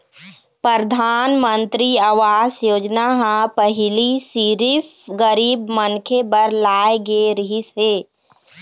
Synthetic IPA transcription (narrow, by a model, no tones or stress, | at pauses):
pɾəɾd̪ʱaːnmənt̪ɾiaʋaːsjoːd͡ʒnaɦãpəɦɪlisiɾif | ɡəɾiːbmənkʰebəɾlaːeɡeɾəɦiseː